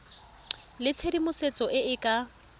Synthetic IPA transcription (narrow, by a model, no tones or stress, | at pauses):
lɪt͡sʰedimʊset͡sʼɔʔɪɪkʼa